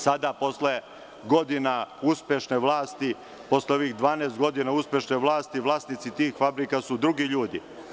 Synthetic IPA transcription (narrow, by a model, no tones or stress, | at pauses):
sad̪apo̞sle̞ | ɡo̞d̪inauspʲjeʃneʋlˠaːst̪i | po̞sleo̞ʋixd̪ʋaːneːst̪ɡo̞d̪inauspje̞ʃneʋlˠaːst̪iʋlˠaːsnit̪sit̪iːxfabɾikasud̪ɾuɡiʎuːd̪i